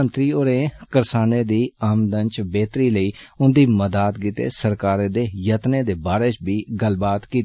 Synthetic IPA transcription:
ənt̪ɾiːoɾeːkəɾsaːneːd̪iːaːmd̪ənt͡ʃbeːt̪ɾiːləiːʊnd̪iːməd̪aːt̪ɡit̪ḛːsəɾkaːɾẽːd̪eːjət̪neːd̪eːbaːɾeːt͡ʃbʱiːɡəlbaːt̪kiːt̪ː

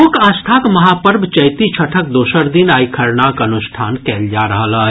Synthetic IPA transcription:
okãːst̪ʰaːkmɐɦaːpəɾbʱt͡ʃɐjt̪it͡ʃʰɐʈʰək̚d̪oːʃəɾd̪ɪnaːjkʰəɾnaːkɐnʊʃʈʰaːnkɛːld͡ʒaːɾɐɦlaɦɛ

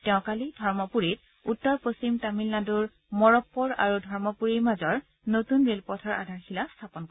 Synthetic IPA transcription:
tɛʊ̃kalidʱɔɹmɔpuɹit̚ | utːɔɹpost͡ɕimtamilnaduɹ | mɔɹɔpːɔɹa̰ɹudʱɔɹmɔpuɹiɹmazɔɹ | notunɹelpɔtʰɔɹʔa̰dʱaɹxilastʰapɔnkɔ

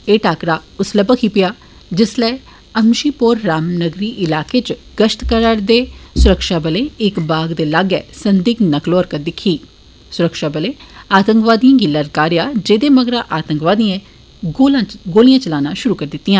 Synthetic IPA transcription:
eːʈaːkɾaːʊsləbəkʰiːpɪjaː | d͡ʒɪslɛː | əmʃiːpoːɾːaːmnəɡɾiːʔɪlaːkeːt͡ʃ | ɡ̥əʃʈ̪kəɾəɾd̪eːsʊɾəkʃaːbəleːɪkbaːɡd̪eːlaːɡɛ̰ːsənd̪iːknəkloːəɾkət̪̚d̪ɪkʰːiː | sʊɾəkʃaːbəleːaːt̪əŋkʋaːd̪ijãːɡɪlːəːɾkaːɾɪjaːd͡ʒeːd̪eːməɡɾãːʔaːt̪əŋkʋaːd̪iãː | olãːɡoːlijãːt͡ʃəlaːnãːʃʊɾuːkəɾd̪ɪt̪ːijãː

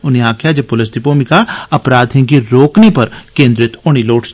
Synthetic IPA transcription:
ʊniaːkʰjad͡ʒepʊlɪs̬d̪ɪpoːmikaɐpɾaːd̪ʱẽkiɾoːknipɐɾkẽːnd̪ɾɪt̪oɽ̃iloːʈ

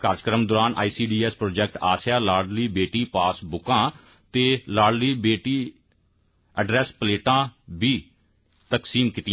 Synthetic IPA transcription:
kaːɾd͡ʒəkɾəmd̪ʊɾaːnʔa̰ːiːsiːɖiːɛːspɾoːd͡ʒɛːk̚ʈaːsjaːlaːɾɖliːbeːʈiːpaːsbʊkãː | t̪eːlaːɖliːbeːʈiː | əɖɾɛːspəleːʈãːbiː | t̪əksiːmkɪt̪ɪj

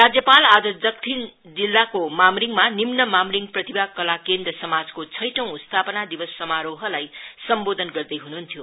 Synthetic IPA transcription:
rad͡zjʌpalad͡zʌd͡zʌk̚t̪ʰin | d͡zilːakomamuɾiŋmanimnʌmamuɾiŋprʌt̪ibakʌlakend̪rʌsʌmad͡zkot͡sʰʌjʈʌ̃w̃utst̪ʰapʌnad̪ibʌsːʌmaɾoɦʌlajsʌmbod̪ʱʌnɡʌrd̪ʌjɦunuɦnt̪ʰjo

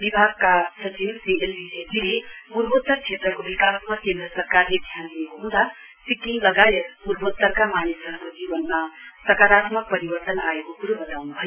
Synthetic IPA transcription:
bibʱaɡkasʌt͡ʃimsiʔelbisepilepuɾbot̪ːʌrt͡sʰet̪rʌkobikasmakend̪ɾʌsʌrkarled̪ʱjanliekoɦũd̪a | sikiŋɡlʌɡajeɾpuɾbot̪ːʌrkamanesʌɦkod͡zibʌnmasʌkaɾat̪mʌk̚pʌɾibʌrt̪ʌnaekokuɾobʌt̪awnubʱʌjo

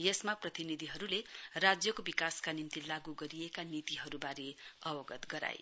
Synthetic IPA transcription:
jesmaprʌt̪inid̪ʱiɦʌɾulerad͡zjʌkobikaskanint̪ilaɡuɡʌɾijekanit̪iɦʌɾubaɾeʌbʌɡʌt̪ɡʌɾa̰j

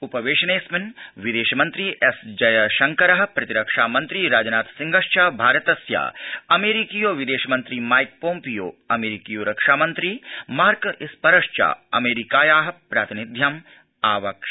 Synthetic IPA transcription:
upɐʋeːʃɐneːsminʋid̪eːʃɐmɐnt̪ɾiːʔesd͡ʒɐjɐʃɐŋkɐɾɐɦɐ̆pɾɐt̪iɾɐkʂaːmɐnt̪ɾiːɾaːd͡ʒɐnaːt̪siŋɡʱɐʃt͡ʃaːbʱaːɾɐt̪ɐsja̰ːɐmeːɾikijoːʋid̪eːʃɐmɐnt̪ɾiːmaːjk̚poːmpijo̰ːɐmeːɾikiːjoːɾɐkʂaːmɐnt̪ɾiːmaːɾkispɐɾɐʂt͡ʃa̰ːɐ̰meːɾikaːjaːɦɐ̆pɾaːt̪inid̪ʱjɐm | aːʋɐkʂɐ

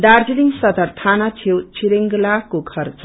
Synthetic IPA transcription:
d̪ard͡ziliŋsʌt̪ʌrt̪ʰanat͡sʰewt͡sʰiɾeŋɡlakokʰʌrt͡s

